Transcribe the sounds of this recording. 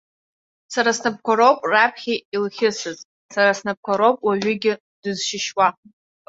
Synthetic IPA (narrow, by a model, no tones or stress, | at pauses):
saɾasnap̚ʰkʷʰaɾopʼrapʰχʲiilχʲɪsɨz | saɾasnap̚kʷaɾowpʼwaɥʏɡʲɪ | dɨzʃɪʃwa